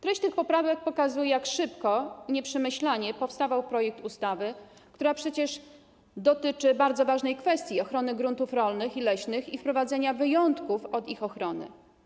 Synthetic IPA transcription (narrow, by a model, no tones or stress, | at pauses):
t̪ɾɛɕt͡ɕt̪ɘxpɔpɾavɛk̚pɔkazujɛjakʂɘpkɔɲɛpʂɛmɘɕlaɲɛpɔfst̪avawpɾɔjɛk̚t̪ust̪avɘ | kt̪uɾapʂɛt͡ɕɛʂ | d̪ɔt̪ɘt͡ʂɘbaɾd̪zɔvaʐnɛjkfɛst̪ʲjiɔxɾɔnɘɡɾunt̪ufɾɔlnɘxilɛɕnɘxifpɾɔvad̪zɛɲavɘjɔnt̪kufɔd̪ixɔxɾɔnɘ̰